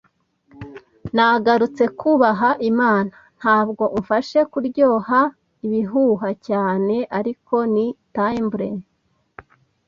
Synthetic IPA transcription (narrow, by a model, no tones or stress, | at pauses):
naɡaɾut͡se̞kʰuβaɦaʔimaːna | n̥haːb̚ɡo̞ʔuɱfaʃe̞kuɾɟo̞ːɦa | iβiɦuɦacaːne̞ʔaɾiko̞nitaimbɾen